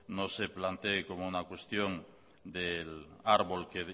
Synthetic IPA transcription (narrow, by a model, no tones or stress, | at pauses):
noseplant̪ekomounakwest̪joŋ | d̪elaɾβolkeð